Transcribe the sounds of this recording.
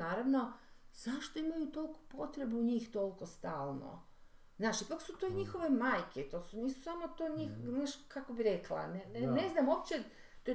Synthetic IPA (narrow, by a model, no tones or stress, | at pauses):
aːɾaʋno̞z̥aʃt̪o̞imajut̪o̞lko̥po̞t̪ɾebuuɲiːxt̪o̞lko̞st̪aːlˠno̰ | znaːʃipaksut̪o̞iɲixoʋe̞maːjkʰet̪osuniːsu̥saːmot̪oːɲixznaːʃkakobiɾeklˠa̰nenneznamopt͡ɕe | t̪o